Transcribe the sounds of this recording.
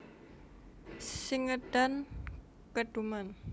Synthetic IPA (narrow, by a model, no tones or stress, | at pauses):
siŋəɖ̥an | kəɖ̥uman